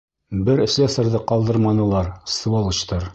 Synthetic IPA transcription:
bɘɾɘ̆ʃlæsɘ̆ɾðɘqɑlˠd̪ɤ̆ɾmɑnɤ̆lˠɑɾs̆volˠɤ̆t͡ɕt̪ɤɾ

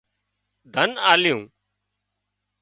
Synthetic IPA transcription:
d̪ʱənaːlɪjṵ̃ː

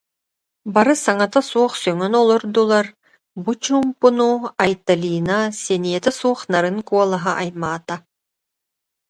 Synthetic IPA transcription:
baɾɯsaŋat̪asuɔχsœŋœnɔlˠɔɾd̪ulˠaɾ | but͡ɕuːmpunuajt̪alʲiːnasɛniɛt̪ɛsuɔχnaɾɯŋkuɔlˠaɦaʔajmaːt̪a

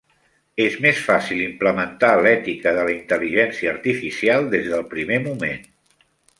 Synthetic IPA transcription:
ezmesfasilˠimpləmənt̪alɛt̪ikəðələint̪əliʒɛnsiəːɾt̪ifisialˠd̪ezðəlˠpɾimemumḛn

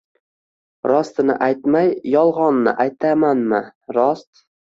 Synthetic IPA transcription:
ɾɒst̪ɪnɪ̰ʔajt̪majːɒlˠʁɒnːɪ̰ʔajt̪ʰamanmɪɾɒst̪

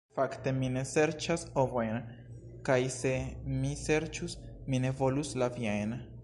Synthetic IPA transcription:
fakte̞mine̞se̞ɾt͡ʃaso̞vo̞jn | kajse̞mise̞ɾt͡ʃus | mine̞vo̞luslaviajn

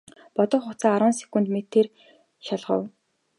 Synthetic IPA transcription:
pɔt̪ɞ̆χχʊt͡saːaɾə̆ːnse̥kŭnt̪met̪ʰːeːr | ʃaɮʁə̰̆w

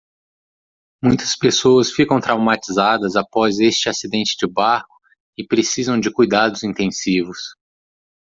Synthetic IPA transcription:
mũj̃t̪ɐ̥spesoɐsfikɐ̃w̃t̪ɾawmat͡ʃizad̪ɐzapɔzest͡ʃɪasid̪ẽnt͡ʃɪd͡ʒɪbaɾkʊ̥ | ɪpɾesizɐ̃w̃d͡ʒɪkujd̪ad̪ʊzĩnt̪ẽsivʊs

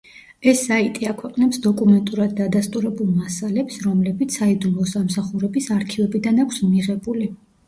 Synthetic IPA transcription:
ɛsːait̪ʼiakʰwɛqʼnɛpsd̪ɔkʼumɛnt̪ʼuɾad̪̚ːad̪ast̪ʼuɾɛbulˠmasalɛpsɾɔmlɛbit̪sʰaid̪ulɔsamsaχuɾɛbisaɾkʰivɛbid̪anakʷʰsmiʁɛbuli

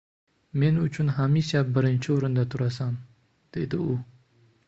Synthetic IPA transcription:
menʊt͡ʃʰunɦamiʃap̚bəɾɪnt͡ʃʰioɾɨnd̪at̪ʰuɾas̬am | d̪̥ḛd̪əu

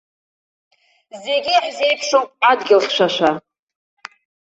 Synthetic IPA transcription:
zeɡʲiħze̞jpʰʂowpʼadɡʲɪlχʲʃʷaʃʷa

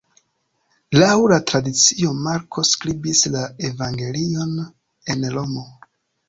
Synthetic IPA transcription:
lawɾatɾadit͡sio̞maɾkʰo̞skɾibislae̞vaŋɡe̞lio̞n | e̞nlo̞mo̞

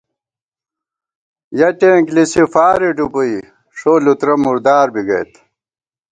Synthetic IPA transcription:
jɐʈeːŋklisifaːɾiʈupui | ʂoːlut̪ɾɐmuɾd̪aːɾbiɡɐ̰jt̪

